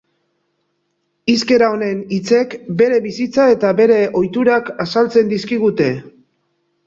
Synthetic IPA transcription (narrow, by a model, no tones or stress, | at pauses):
iske̞ɾao̞ne̞nit͡se̞kbe̞ɾe̞βisit͡sae̞t̪aβe̞ɾe̞ʔo̞jt̪uɾakasalt͡se̞nd̪iskiɣ̞ut̪e̞